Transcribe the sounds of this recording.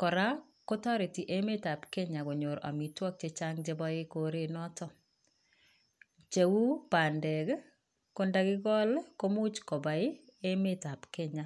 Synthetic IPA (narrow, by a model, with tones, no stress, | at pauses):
kɔ˨ɾa˦ | kɔ˦tɔ˦ɾɪ˨ti˨ʔe˦me˦ta˨pkɛ˦ɲa˨ɡo˨ɲo˨ɾa̰˨mi˨twɔ˦k̚t͡ʃe˦t͡ʃa˦ŋd͡ʒe˦bɔ˦e˦ko˨ɾe˦nɔ˦tɔ˦ | t͡ʃe˨wu˦pa˨ndɛ˨ɡ | ko˦nda˦ɡɪ˦ɡɔ˦lko˦mu˦t͡ʃkɔ˨ba˨ɪ˦ | e˦me˦ta˨pkɛ˦ɲa˨